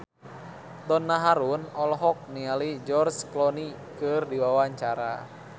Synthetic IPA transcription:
t̪ɔnːaɦaɾunɔlɦɔk̚nialid͡ʒɔrsklɔni | kɨrdiwawaɲt͡ʃaɾa̰

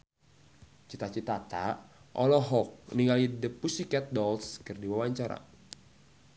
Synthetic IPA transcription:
t͡ʃit̪at͡ʃit̪at̪a̰ʔɔlɔɦɔk̚niŋɡalidəpusikɛt̪̚dɔlskɨrdiwawaɲt͡ʃaɾa̰

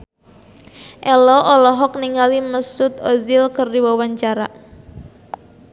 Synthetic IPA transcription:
ʔɛlɔʔɔlɔɦɔk̚niŋaliməsʊt̪ozɪlkərdiwawaɲt͡ʃaɾa

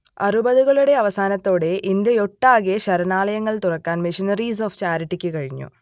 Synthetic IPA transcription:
ɐ̰rubɐðuɣɐɭuɽe̞ɐʋɐsaːnɐt̪ːo̞ːɽe̞ʔind̪ɐoʈːaːɣeɕɐɾɐnaːlɐjɐŋːɐɭt̪urɐkːaːnmiʂinɐris̬oːft͡ɕaːɾiʈːikʲːɨkɐɻiɲːṵ

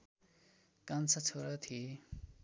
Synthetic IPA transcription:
kʌnt͡sʰʌt͡sʰoɾʌt̪ʰie

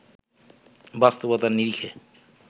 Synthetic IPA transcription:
bast̪obot̪aɾniɾikʰe

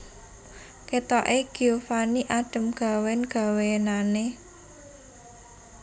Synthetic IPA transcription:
ket̪ɔʔeɡ̥iofaniʔaɖ̥ə̤mɡ̥a̤wɛnɡ̥a̤wenane

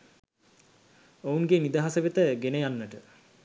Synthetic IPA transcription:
ounɡenid̪aɦasəʋet̪əɡenəjanːəʈə

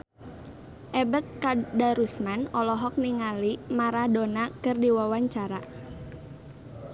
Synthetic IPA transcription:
ʔɛbət̪̚kadaɾusmanɔlɔɦɔk̚niŋalimaɾadonakɨrdiwawaɲt͡ʃaɾa

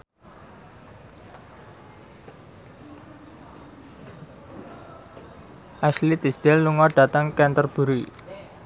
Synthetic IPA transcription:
ʔaslit̪isd̪̥ɛlːuŋɔɖ̥a̤t̪əŋkɛnt̪ərb̥ṳɾi

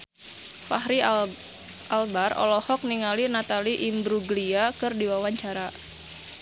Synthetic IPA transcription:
fa̰hɾi | ʔalbarɔ̰lɔhɔk̚niŋalinat̪aliʔimbɾuɡliakɨrdiwawaɲt͡ʃaɾa

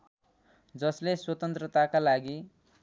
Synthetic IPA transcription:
d͡zʌsleswʌt̪ʌnt̪rʌt̪akalaɡi

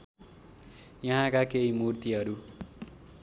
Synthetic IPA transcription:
jʌɦãkakeimurt̪iʌɾu

